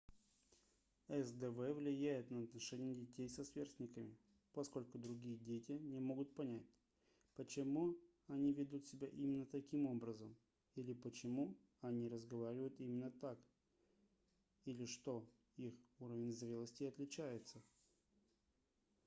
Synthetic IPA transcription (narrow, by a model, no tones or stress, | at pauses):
ɛsd̪ɛvɛvlʲɪjæjɪt̪nəɐt̪nɐʂɛnʲɪjədʲɪtʲejsɐsvʲersʲtʲnʲɪkəmʲɪ | pɐsko̞lʲkʊd̪ɾʊɡʲijədʲetʲɪnʲɪmo̞ɡʊt̪̚pɐnʲætʲ | pət͡ɕɪmu | ɐnʲivʲɪd̪ut̪sʲɪbʲaʔimʲɪnːət̪ɐkʲimo̞bɾəzəm | ilʲɪpət͡ɕɪmu | ɐnʲiɾəzɡɐvaɾʲɪvəjʊt̪imʲɪnːət̪ak | ilʲɪʂt̪o̞ | ixuɾəvʲɪnʲzɾʲelˠəsʲtʲɪɐt̪lʲɪt͡ɕæjɪt̪sə